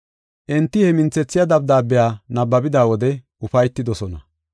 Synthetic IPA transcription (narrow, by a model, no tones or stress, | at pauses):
ʔɛnt̪ːɪhɛmɪnt͡sɛt͡sːɪjad̪ɐb̚d̪aːbːɪjaːnɐbːɐbɪd̪aːwɔd̪ɛʔʊfɐjt̪ːɪd̪ɔsɔnɐ̰